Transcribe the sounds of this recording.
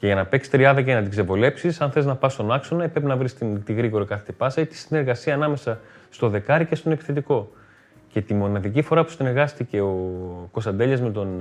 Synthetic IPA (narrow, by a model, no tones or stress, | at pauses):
ce̞ʝɐnɐpe̞ksi̥t̪ɾiɐðɐcenɐt̪ikse̞vole̞psisɐnθeiznɐpɐst̪o̞nɐkso̞nɐepɾe̞pinɐvɾist̪int̪iɣɾiɣo̞ɾikɐθet̪ipɐsɐit̪i̥sine̞ɾɣɐsiɐːnɐme̞sɐst̪o̞ðe̞kɐɾice̞st̪o̞nepi̥θe̞t̪iko̞ | ce̞t̪imo̞nɐðicifo̞ɾɐpu̥seneɾɣɐst̪ice̞o̞ko̞sɐnd̪e̞ʎɐzme̞t̪o̞n